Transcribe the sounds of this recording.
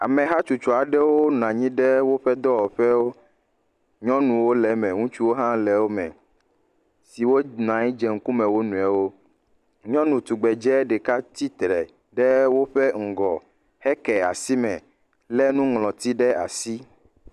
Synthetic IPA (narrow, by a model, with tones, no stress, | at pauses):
a̰˨mɛ̃˨ɦa˦t͡ʃu˨t͡ʃɔ˨a˨ɖɛ˦wo˦ñ˨ã˨ɲĩ˦ɖɛ˦wo˦ɸɛ˦d̪ɔ˦wɔ˨ɸɛ˦wo˦ | ɲɔ̃˦nũ˨wo˦lɛ˨mɛ̃˨ŋũ˦t͡ʃu˦wo˦ɦã˦lɛ˨wo˦mɛ̰̃˨ | si˨wo˦n˨ã˨ɲĩ˦d͡ʒɛ˨ŋ̩˦ku˦mɛ̃˨wo˦nũ˨ɛ˨wo˦ | ɲɔ̃˦nũ˨t̪u˨ɡ͡bɛ˨d͡ʒɛ˦ɖɛ˨ka˦t̪i˦t̪ɾɛ˨ | ɖɛ˦wo˦ɸɛ˦ŋ̩˨ɡɔ˨ | hɛ˦kɛ˨a̰˨si˦mɛ̰̃˨ | lɛ˦nũ˦ŋlɔ̃˨t̪i˦ɖɛ˦a̰˨si˦